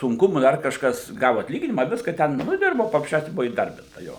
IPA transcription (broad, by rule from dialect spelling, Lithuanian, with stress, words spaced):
sʊŋˈkʊmʊ ˈdɐr kɐʃˈkɐs ˈɡɑːʋʊ ɐtʲˈlʲiːɡʲɪnʲɪmɐ ˈʋʲɪskɐ ˈtʲɛn nʊ ɪ ˈdʲɪrboː pɐprɐsʲˈt͡ʃʲɛʊsʲɛ ˈbʊʋʊ iːˈdɐrʲbʲɪntɐ ˈjoː